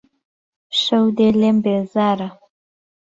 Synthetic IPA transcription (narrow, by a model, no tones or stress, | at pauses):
ʂəwd̪elembezɑɾa